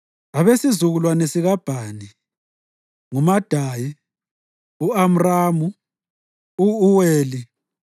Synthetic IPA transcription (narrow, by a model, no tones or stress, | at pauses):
aβesizuɣulwanesiɣab̥ʱaːni | ŋumad̥ʱaji | uam̩raːmu | uːweːli